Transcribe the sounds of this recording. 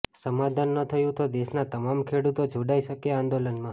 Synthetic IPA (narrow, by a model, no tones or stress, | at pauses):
səmad̪ʱanːət̪ʰəjũt̪od̪eʃnat̪əmamkʰeɽut̪od͡ʒʱoɽaiʃəkeãnd̪olənmã